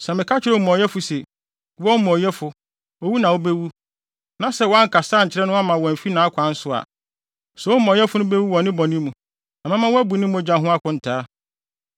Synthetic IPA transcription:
sɛ˨mɪ̃˨kʰa˦t͡ɕʰɪ˦ɾɛ˦˨mɔ̃˨jɛ˦fʊ˨se˨ | wɔ˦mɔ̃˨jɛ˦fʊ˨ | o˦wu˦nã˨wo˦be˦wu˦ | nã˨sɛ˦˨wɔ˨˦a˦ŋ̩˨kʰa˨saː˦ɲ̩˨t͡ɕʰɪ˦ɾɛ˦nʊ̃˦a˦mã˨wɔ˨m̩˨fi˦nãː˨˦kʷʰã˨˦n̩˦sʊ˦a̰˨ | sɛ˨wo˦mɔ̃˨jɛ˦fʊ˨˦nʊ̃˦be˦wu˦wɔ̃˨nɪ̃˦bɔ˨nɪ̃˦mũ˨ | na˨mã˦mã˦wɔ˦æ˦bu˨nĩ˦mu˦ɔ˨d͡ʑã˨ɦʊ̃˦a˦kʰʊ̃˦n̩˨tʰaː˦

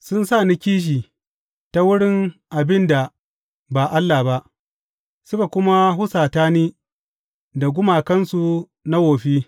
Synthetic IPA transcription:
sʊ˦nsaː˦˨ni˦kʲiː˦ʃ̬iː˨ | ta˦wʊ˦ɽɪ˦ŋʔa˨bɪ˦nda˨ | ba˨ʔa˦lːa˨ba˦ʔ | sʊ˦ka˨kʷʊ˦ma˦hʊ˦saː˨taː˦niː˦ | da˨ɡʷʊ˦maː˨kɐ˦nsu˨ | na˦woː˨ɸiː˦

